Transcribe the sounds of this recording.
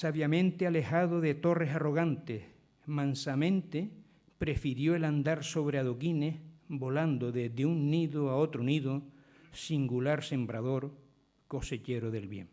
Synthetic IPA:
saβjamẽnt̪eale̞haðoðe̞t̪o̞re̞saro̞ɣ̞ant̪eh | mãnsamẽnt̪e | pɾe̞fiɾjo̞eland̪aɾso̞βɾeaðokinehbo̞land̪oðe̞ɦðeuŋniðoao̞t̪ɾoniðo | siŋɡulaɾsẽ̞mbɾaðo̞ɾ | ko̞se̞t͡ʃe̞ɾoðe̞lβje̞̰ŋ

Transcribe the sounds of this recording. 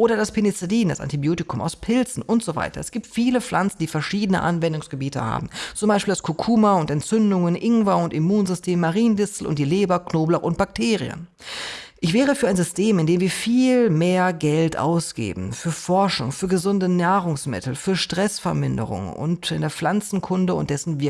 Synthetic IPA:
ʔoːɾɐdaspʰɪnit͡sediːnda̰sʔa̰ntibjoːtɪkʰʊmʔaʊspʰɪlt͡sn̩ʔʊntz̥ova̰ɪtʰɐ̰ɛsɡ̥iːp̚tfiːləflant͡sn̩diːfɛɐʃiːdənə̰ʔanvɛndʊŋsɡ̥əbiːtəha̰ːbm̩t͡sʊmbaɪʃpiːld̥askʰokʰuːmaʊntɛntt͡sʏndʊŋənʔɪŋvaʊntimuːnzʏstʰeːmːaʁiːnndɪsl̩ʔʊ̰nt̚d̥iːleːbɐknoːblaʔʊnt̚b̥ak̚tʰeːʁiə̰n | ʔɪçv̥ɛːʁ̞əfyːɐaɪnzʏstʰeːmɪndeːmviːɐfiːlmeːɐɡɛltʔa̰ʊsɡ̥ḛːbm̩fyːɐfɔɐʃʊ̰ŋfyːɐɡəzʊndənaːʁʊŋsmɪ̰tl̩fyːɐʃtʁ̥ɛsfɛɐmɪndə̰ʁʊ̰ŋʊ̰ntɪndeːɐflant͡sn̩kʰʊndəʊ̰nt̚d̥ɛsn̩vɪɐ

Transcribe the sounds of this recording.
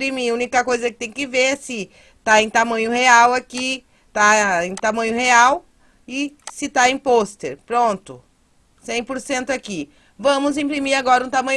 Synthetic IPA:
pɾimiũnikɐkojzɐkɪ̥t̪ẽj̃kɪveɾɛsɪ | t̪aẽj̃t̪amɐ̃ɲʊheawaki | t̪aẽj̃t̪amɐ̃ɲʊheaw | ɪsɪt̪aẽj̃post̪eɾpɾõnt̪ʊ | sẽj̃poɾsẽnt̪ʊaki | vɐ̃mʊzĩpɾimiɾaɡɔɾɐũt̪amɐ̃ɲ

